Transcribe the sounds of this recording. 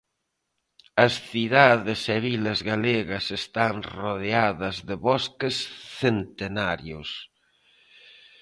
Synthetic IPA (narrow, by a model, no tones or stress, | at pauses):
ɐsθiðaðɪsɛβilɐzɣaleɣɐsest̪aŋroðeaðɐzðeβɔskesθent̪enaɾjos